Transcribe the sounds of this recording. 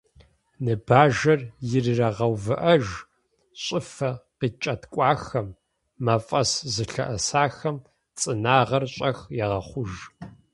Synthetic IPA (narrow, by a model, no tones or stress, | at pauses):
nɨbaːʒɐrjɪrɨrɐʁɐwvɨʔɐʒ | ɕʼɪfɐqiːt͡ʃʼɐtkʷʼɑːxɐmː | ɐfʼɐszɨɬɐ̰ʔɐsaːxɐm | t͡sʼɨnaːʁɐrɕʼɐxjɛʁɐχʷʊʒ